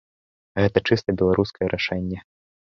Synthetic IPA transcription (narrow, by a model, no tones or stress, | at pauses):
ɣɛt̪ɐt͡ʂɨst̪ɐbʲɛlˠaɾʔuskɐjɛɾʔaʂɛnʲːɛ